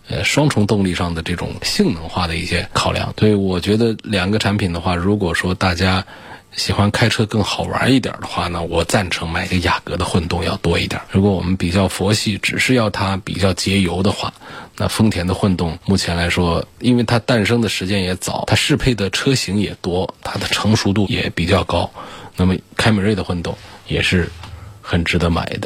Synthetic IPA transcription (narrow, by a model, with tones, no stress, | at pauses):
ə̰˧ʂwɑ˥ŋʈ͡ʂʰʊ˧˥ŋt̪ʊ˥˧ŋli˥˧ʂɑ˥˩ŋd̪ə˩ʈ͡ʂɤ˥˩ʈ͡ʂʊ̰˨˩ŋɕi˥˩ŋnɤ˧˥ŋxwa˥˩d̪ə˩i˥˩ɕjɛ˥kʰɑ˨˩ʊljɑ̰˥˩˦ŋswɛ˧˥i˧˩wɔ˨˩t͡ɕɥɛ˧˥d̪ə˧ljɑ˨˩ŋɡə˧ʈ͡ʂʰa˧˥npʰi˨˩nd̪ə˦xwa˥˩ɻu˧˥kwɔ˨˩ʂwɔ˥t̪a˥˩t͡ɕja˥ | ɕi˨˩xwa˥nkʰa˥ɪʈ͡ʂʰɤ˥kɤ˥˩ŋxɑ˨˩ʊwa̰˧˥i˥˩t̪jə̰˞˨˩d̪ə˧˦xwa˥˩nə˩wɔ˨˩t͡sa˥˩nʈ͡ʂʰɤ˧˥ŋma˨˩ɪi˧˥ɡə˧ja˨˩kɤ˧˥d̪ə˧xwə˥˧nt̪ʊ˥˧ŋjɑ˥˩ʊt̪wɔ˥ḭ˥˩t̪jɐ̰˨˩˦ɻu˧˥kwɔ˧˥wɔ̰˨˩mə˦npi˨˩t͡ɕjɑ˥˩ʊfɔ˧˥ɕi˥˩ʈ͡ʂɻ̩˨˩ʂɻ̩˥˧jɑ˥˩ʊt̪ʰa˥pḭ˨˩t͡ɕjɑ˥˩ʊt͡ɕjɛ˧˥jo˧˥ʊd̪ə˧xwa̰˥˩na̰˥˧˩fɤ˥ŋt̪ʰjɛ˧˥nd̪ə˧xwə˥˧nt̪ʊ˥˩ŋmu˥˩t͡ɕʰjɛ˧˥nla˧˥ɪʂwɔ˥i˥nwe˥˩ɪt̪ʰa˥t̪a˥˩nʂɤ˥ŋd̪ə˨ʂɻ̩˧˥t͡ɕjɛ˥njɛ˧˥t͡sɑ̰˨˩˦ʊt̪ʰa˥ʂɻ̩˥˧pʰe˥˩ɪd̪ə˩ʈ͡ʂʰɤ˥ɕi˧˥ŋjɛ̰˨˩t̪wɔ˥t̪ʰa˥d̪ə˨ʈ͡ʂʰɤ˧˥ŋʂu˧˥t̪u˥˩jɛ̰˨˧˩pi˨˩t͡ɕjɑ˥˩ʊkɑ˥ʊna˥˩mə˩kʰa˥ɪmi˨˩we˥˩ɪd̪ə˩xwə˥˧nt̪ʊ˥˩ŋjɛ̰˨˩ʂɻ̩˥˩xə˨˩nʈ͡ʂɻ̩˧˥d̪ɤ˧˥ma̰˨˩ɪd̪ə˦